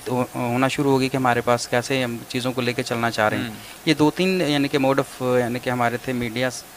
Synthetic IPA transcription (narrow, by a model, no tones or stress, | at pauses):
ɦoːnaʃʊɾuɦoːɡikiɦɐmaːɾepaːskɛːset͡ʃiːzõkoleːket͡ʃɐlnat͡ʃaːɦɾɐɦɛ̃ː | jed̪oːt̪iːnjaːnikemoːɖəfjaːnikeɦɐmaːɾet̪ʰemiːɖijaːs